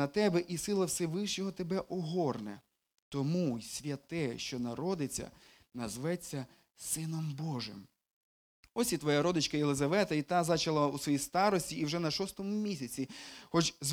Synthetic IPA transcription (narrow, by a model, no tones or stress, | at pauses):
ɐt̪ɛbɛʔisɪlˠɐwsɛʋɪʃt͡ʃɔɦɔt̪ebɛʔɔɦɔrnɛ̰ | t̪ɔmusʲʋʲjɐt̪ɛʃt͡ʃɔnɐɾɔd̪ɪt͡sʲːɐ̰ | nɐzʋɛt͡sʲːɐ | sɪnɔmbɔʒɪ̰m | ɔsʲit̪ʋɔjaɾɔd̪ɪt͡ʃkɐjelˠezɐʋɛt̪ɐit̪ɑzɑt͡ʃɐlˠɐusʋɔjist̪ɑɾɔsʲtʲiːwʒɛnɐʃɔst̪ɔmʊmʲisʲɐt͡sʲixɔt͡ʃz